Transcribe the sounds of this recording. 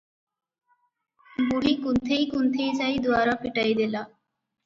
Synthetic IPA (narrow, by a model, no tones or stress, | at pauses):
buɦikunt̪ʰejkunt̪ʰejsajd̪uaɾapiʈajd̪ela